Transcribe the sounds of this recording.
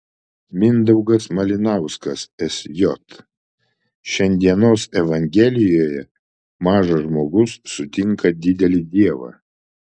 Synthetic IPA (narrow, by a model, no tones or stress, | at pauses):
mʲɪnd̪ɐʊɡɐsmɐlʲɪnɑˑʊskɐsɛsʲjɔt̪ | ʃʲɛnʲˑd̪ʲiɛnoːsɛʋɐŋʲɡʲɛlʲɪjoːjɛ | mɑːʒɐʒmoːɡʊsːʊt̪ʲɪŋkɐd̪ʲɪd̪ʲɛlʲɪd̪ʲiɛʋɑ̰ː